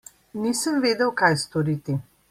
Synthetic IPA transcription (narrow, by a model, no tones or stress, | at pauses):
niːsəmʋeːd̪əwkajst̪ɔɾiːt̪i